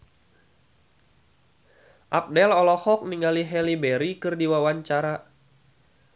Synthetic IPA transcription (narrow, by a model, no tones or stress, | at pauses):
ʔap̚dɛlɔlɔhɔk̚niŋaliɦɛlibɛɾikɨrdiwawaɲt͡ʃaɾa